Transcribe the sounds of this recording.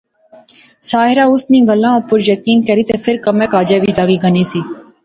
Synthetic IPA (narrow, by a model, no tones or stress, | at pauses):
saːɦɪɾaːʊsnĩːɡəlːãːopʊɾjəkiːnkɛɾiːt̪eːpʰɪɾkəmẽːkaːd͡ʒeːbʱiːd̪aːɡiːɡəniːsiː